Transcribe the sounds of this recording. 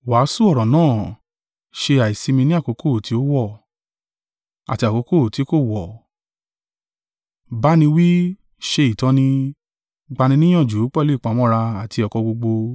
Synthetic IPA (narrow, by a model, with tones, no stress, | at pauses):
wa˨˦su˦ɔ˦˨ɾɔ̃˨nãː˦˨ | ʃe˧a˨i˨si˧mĩ˧nĩ˦a˦˨ko˨˧˦ko˦˨tʰi˨˦o˦wɔ˦˨ | a̰˨ti˧a˨ko˧˦ko˦˨ti˨˦ko˦˨wɔ˨ | ba˦nĩ˧wi˦ | ʃe˧i˨tɔ̃˨˦nĩ˧ | ɡ͡ba˧nĩ˧nĩ˦j̃ɔ̃˦˨d͡ʒu˨˦k͡pɛ˦le˦i˦˨k͡pã˨˦mɔ̃˦ɾa˧a˨ti˧ɔ˨kɔ˧ɡ͡bo˧ɡ͡bo˧